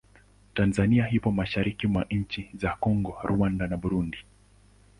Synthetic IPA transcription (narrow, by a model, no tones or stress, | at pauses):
tanzaniaɦipɔmaʃaɾikimwaɲ̩t͡ʃizakɔŋɡɔɾʔuandanaɓuɾundi